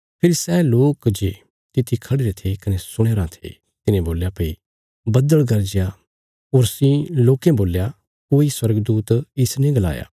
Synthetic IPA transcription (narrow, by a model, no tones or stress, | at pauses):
pʰɪɾisɛːloːkd͡ʒe | t̪ɪt̪ʰikʰɐɽeɾet̪ʰekɐnesʊɽ̃eːɾãt̪ʰḛ | t̪ɪnẽboːljapei | bɐd̪əɭɡɐɾd͡ʒɪja | oːɾsĩloːkẽboːlja | koːiswɐɾɡd̪uːt̪ɪsnẽɡɐla̰ːja̰ː